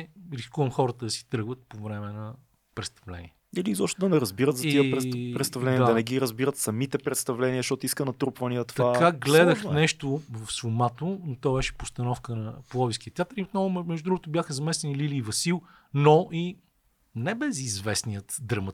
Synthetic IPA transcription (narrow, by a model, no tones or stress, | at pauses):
ɾiskuvəmxɔɾət̪əd̪ɐsi̥t̪ɾɤɡvət̪̚povɾɛmɛnɐ | pɾɛt̪st̪ɐvlɛ̰nḭɛɛlizɔʃt̪od̪ɐnɛɾɐzbiɾət̪zɐt̪iəpɾɛt̪st̪ɐvlɛnijəd̪d̪ɐnɛɡiɾəzbiɾət̪sɐmit̪ɛpɾɛt̪st̪ɐvlɛniəʃt̪ɔt̪ʊiskənɐt̪ɾupvəniət̪ɐakaɡlɛd̪əxnɛʃt̪ovəfsvʊmat̪onot̪ɔbɛʃɛ̥post̪ɐnɔfkənɐpolˠɔvisk̟iət̪ʲat̪əɾiot̪nɔvʊmɛʒd̪ud̪ɾuɡʊt̪ʊbjaxəzɐmɛsɛnililiːvɐsilˠ | noʔi | nɛbɛzizvɛsnijət̪d̪ɾɐmɐ